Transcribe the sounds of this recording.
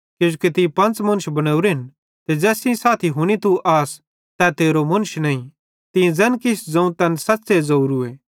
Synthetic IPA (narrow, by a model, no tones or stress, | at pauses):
kjeːʃukit̪ĩpɐ̃nt͡smɐ̃nʊʃbɐɽ̃əuɾɦɪn | t̪ed͡zɛːsĩsaːt̪ʰiɦʊɽ̃it̪uʔaːs | t̪ɛt̪eːɾomɐnʃnɐĩ | t̪ĩd͡zɛːnkɪsʰd͡zɐ̃ũt̪ɛːnsɐtːsezɐuːɾueː